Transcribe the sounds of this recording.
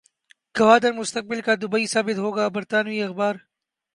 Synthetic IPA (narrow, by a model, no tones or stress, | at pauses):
kɐwaːd̪ɐɾmʊst̪ɐk̚bɪlkaːd̪ʊbɐisaːbɪt̪ɦoːɡaːbɐɾt̪aːnwiːɐxbaːɾ